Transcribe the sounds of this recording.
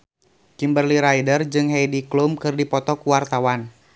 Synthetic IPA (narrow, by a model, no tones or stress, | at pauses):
kimbərliɾajdərd͡ʒɨŋɦejdiklumkɨrdipɔt̪ɔkuwart̪awan